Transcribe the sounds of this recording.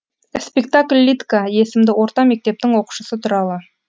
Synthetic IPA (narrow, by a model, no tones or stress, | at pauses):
spʲekt̪akʲlʲːit̪kaje̞sɪmd̪ɪwo̞ɾt̪ɑme̞k̚t̪e̞p̚t̪ɪŋwo̞qu̥ʃəsət̪ʰʊɾɑlˠə